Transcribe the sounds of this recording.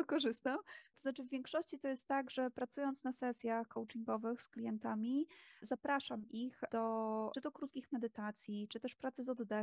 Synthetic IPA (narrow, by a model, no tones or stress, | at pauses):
kɔʐɘst̪amt̪ɔzat͡ʂɘvvʲjɛŋkʂɔɕt͡ɕit̪ɔjɛst̪ːaɡʐɛpɾat̪sujɔnt̪snasɛsʲjaxkɔwt͡ʂiŋɡɔvɘxsklʲijɛnt̪amʲizapɾaʂamʔixd̪̥ɔɨd̪ɔkɾut̪̚kʲixmɛd̪ɘt̪at̪sʲjit͡ʂɘt̪ɛʂpɾat̪sɛzɔd̪d̪ɛ